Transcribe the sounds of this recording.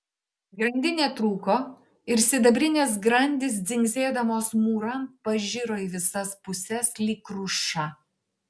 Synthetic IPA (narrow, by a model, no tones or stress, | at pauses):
ɡɾɐnʲd̪ʲɪnʲeːt̪ɾuːkoː | ɪɾsʲɪd̪ɐbʲɾʲɪnʲeːs̬ɡɾɐnʲd̪ʲɪs̬d̪zʲɪŋʲɡzʲeːd̪ɐmoːsmuːɾɐmpɐʒʲɪɾoːiʋʲɪsɐspʊsʲɛslʲiːkɾʊʃɑ